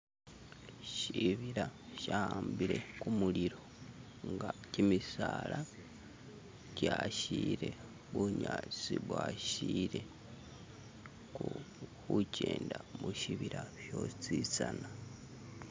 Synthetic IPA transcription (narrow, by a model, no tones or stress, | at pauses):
ʃiβiɾaʃahaːmbiɾe̞kumuliɾo̞ | ŋɡacimisaːla | caʃiːɾe̞ | βuɲat͡siβwaːʃiːɾe̞ | ku | kuceːndamuʃiβiɾaʃo̞ːt͡sit͡sana